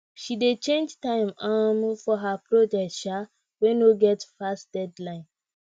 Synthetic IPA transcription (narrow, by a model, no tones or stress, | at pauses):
ʃidet͡ʃẽnd͡ʒtãɪ̃mamfɔɦapɹɔd͡ʒɛk̚tʃa | wɛnoɡɛtfastd̥ɛdlãɪ̃n